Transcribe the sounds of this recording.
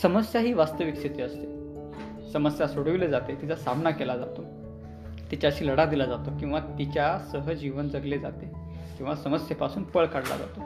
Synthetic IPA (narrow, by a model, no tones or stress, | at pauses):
səməsjaɦiːʋast̪əʋikset̪eəst̪e | səməsjasoɽəʋiled͡zat̪et̪it͡sasamnakelad͡zat̪o | t̪it͡ɕjaɕiːləɽad̪ilad͡zat̪okĩw̃ʋat̪it͡ɕjasəɦəd͡ʑiʋənd͡zəɡled͡za̰t̪e | kĩw̃ʋasəməsjepasuːnpəɭkaɽla̰d͡za̰t̪o